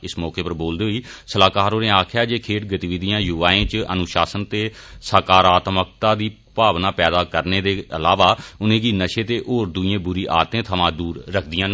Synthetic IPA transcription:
ɪsmɔːkeːpəɾboːld̪iːɦoiːsəlaːkaːɾoːnẽːaːkʰɪjaːd͡ʒeːkʰeːʈɡət̪iːʋɪd̪ijãːjuːaːẽːt͡ʃə̰nʊʃaːsənt̪eːsəːkaːɾaːt̪mək̚t̪aːd̪iː | paːʋnaːpɛːd̪aːkəɾneːd̪eːəlaːʋaːʊnẽːɡiːnəʃeːt̪eːʔoːɾd̪ʊijẽːbʊɾiːʔa̰ːt̪ẽːt̪ʰəmãːd̪uːɾːəkʰd̪ɪjãː

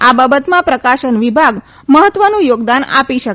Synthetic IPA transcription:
ababət̪mãpɾəkaʃənʋibʱaɡ | məɦət̪ʋənũjoɡd̪ana̰piʃək

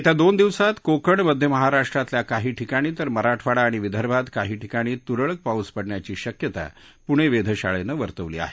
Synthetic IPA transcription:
et̪jad̪ond̪iʋsat̪kokəɳməd̪ʱjəməɦaɾaʂʈɾat̪ljakaɦiːʈʰikaɽ̃iːt̪əɾməɾaʈʰʋaɽaːɽ̃iʋid̪ʱəɾbad̪kaɦiːʈʰikaɽ̃iːt̪uɾəɭək̚pauspəɽɳjat͡ɕiːɕəkjət̪a̰ | puɽ̃eʋed̪ʱəɕaɭenəʋəɾt̪əʋlḭːa̰ɦe̥

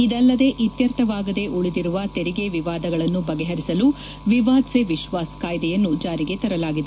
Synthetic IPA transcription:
id̪ɐlːɐd̪e̞ʔit̪jɐɾt̪ɐʋaːɡɐd̪e̞ʔuɭid̪iɾuʋɐt̪eɾiɡe̞ʋiʋaːd̪ɐɡɐɭɐnːubɐɡɛɦɐɾisɐlu | ʋiʋaːd̪seʋiʃʋaːskaːjd̪ɛjɐnːud͡ʒaːɾiɡe̞t̪ɐɾɐlaːɡid̪e

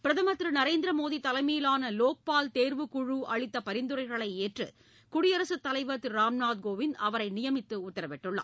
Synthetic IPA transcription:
pɪɾɐðɐmɐt̪ːɾɯnɐɾeːnd̪ɪɾɐmoːðit̪ɐlɐɪmijɪlaːnɐloːk̚paːlt̪eːɾʋɯkʊɻuʔɐɭɪt̪ːɐpɐɾɪnd̪ɯɾɐɪɣɐɭɐɪeːʈrɯ̰ | kʊɽɪjɐɾɐsɯt̪ːɐlɐɪʋɐt̪ːɯɾaːmnaːd̪̚ɡoːʋɪnɐʋɐɾɐɪnɪjɐmɪt̪ːɯʊt̪ːɐɾɐpɛʈːɯɭːɐ̰

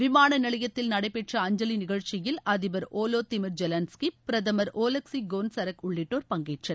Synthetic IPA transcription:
ʋɪmaːnɐnɐɭɪjɐt̪ːɪlnɐɽɐɪpɛʈrɐɐɲd͡ʒɐlinɪɣɐɻt͡ʃɪjɪlʔɐðɪbɐɾʔoːloːt̪ɪmɪɾd͡ʒɛlɐnskipɪɾɐðɐmɐɾoːlɐksiɡoːnsɐɾɐkʊɭːɪʈːoːɾpɐŋɡeːʈrɐ

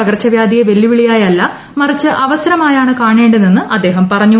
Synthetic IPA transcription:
ɐɡɐrɐt͡ɕːɐʋjaːd̪ʱijeʋe̞lːiʋiɭijaːjɐlːɐ | mɐrit͡ɕːɨʔɐʋɐsɐɾɐmaːjaːɳɨkaːɳe̞ːɳɖɨninːɨʔɐd̪ːe̞ːɦɐmpɐrɐɲːu

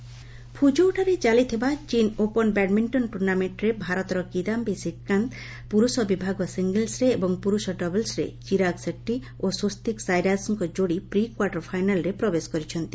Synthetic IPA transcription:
pʰud͡ʒowʈaɾet͡ʃalit̪ʰibat͡ʃinopɔnbɛʈmiɳʈɔnʈuɾnameʈɾebʱaɾɔt̪ɔɾɔkid̪ambesikːant̪ | puɾusɔbibʱaɡɔsiŋɡelsɾeːbɔŋpuɾusɔɖɔbelsɾḛt͡ʃiɾaɡsekʈi | osost̪iksajɾasɔŋkɔd͡ʒoɽipɾikwaɾʈɔɾpʰajnalɾepɾɔbeskɔɾit͡ʃʰɔnt̪i

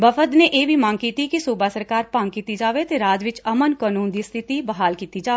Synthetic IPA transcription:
bɐfʰət̪neʔeːbʱimãːŋkiːt̪ikisuːbasəɾkaːɾpãːŋɡkiːt̪id͡ʒaːʋet̪eɾaːd͡ʒʋɪt͡ʃɐmənkaːnũːnd̪ist̪ʰɪt̪ibɐɦaːlkiːt̪id͡ʒaːe

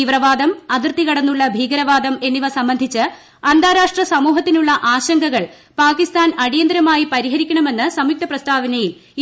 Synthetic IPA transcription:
iʋrɐʋaːd̪ɐmɐðirt̪ikɐɽɐnːuɭːɐbʱiːɡɐɾɐʋaːd̪ɐme̞nːiʋɐsɐmbɐnd̪ʱit͡ɕːɨ | ɐnd̪ʱaːɾaːʂʈrɐsɐmuːɦɐt̪ːinuɭːɐʔaːɕɐŋɡɐɣɐɭ | paːkist̪aːnɐɽijɐnd̪ɾɐmaːjipɐɾiɦɐɾikʲːɐɳɐme̞nːɨsɐmik̚t̪ɐprɐst̪ʰaːʋɐnɐjil

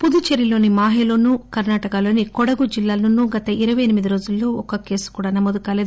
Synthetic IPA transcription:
pud̪ut͡ʃeɾilo̞ːnimaːɦeloːnukɐɾnaːʈɐkaːlo̞ːnikɔɽɐɡud͡ʒilːaːlnunːuɡɐt̪ɐʔiɾɐʋɐjɐnimid̪iɾo̞ːd͡ʒulːo̞ːɔkɐke̞ːsu̥kuːɽaːnɐmoːd̪ukaːleːd̪u

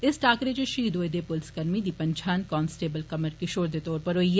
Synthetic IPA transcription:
ɪsʈaːkɾet͡ʃeʃiːd̪ʱoːed̪epʊlskɐɾmid̪iːpɐ̃ɲt͡ʃʰaːnkɔːnsʈeːbəlkɐməɾkɪʃoːɾd̪et̪ɔːɾpɐɾɦoːie

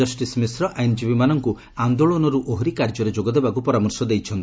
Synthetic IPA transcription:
ɔsʈismesɾɔʔajnd͡ʒibimanɔŋku | and̪oɭonɔɾuʔoɦɾikaɾd͡ʒɔɾed͡ʒoɡɔd̪ebakupɔɾamɔɾsɔd̪ejt͡ʃʰɔnt̪i

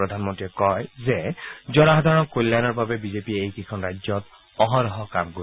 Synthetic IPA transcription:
ɹɔdʱanmɔntɹiɛkɔjzɛzɔnaɦɔd̪ʱaɹɔnkolːanɔɹbabɛbizepiɛejkikʰɔnɹajzɔt | ɔɦɔɹɔɦɔkamɡo

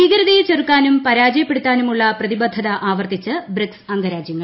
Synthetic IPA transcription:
iːɡɐɾɐðɐjet͡ɕːerukːaːnumpɐɾaːd͡ʑɐjɐpːeɽut̪ːaːnumuɭːɐprɐðibɐd̪ʱːɐðɐʔaːʋɐrt̪it͡ɕːɐbriksɐŋɡɐɾaːd͡ʑjɐŋːɐɭ

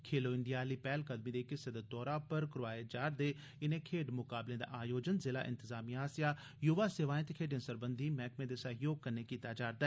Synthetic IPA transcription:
kʰeːloːɪ̃nd̪ijaːliːpɛːlkəd̪miːd̪eːkɪsed̪eːt̪ɔːɾãpəɾkɾʊʋaːed͡ʒaːɾd̪eː | ɪnẽːkʰeːɖmʊkaːblẽːd̪a̰ːʔaːjoːd͡ʒənzɪla̰ːʔɪ̰̃nt̪ɪzaːmiːaːsɪjaː | jʊʋaːseʋaːẽt̪ekʰeːɖẽːsəɾbənd̪iːmɛːkmẽːd̪eːsəɦjoːɡ̚kəɾneːkiːt̪aːd͡ʒaːɾd̪aɛ

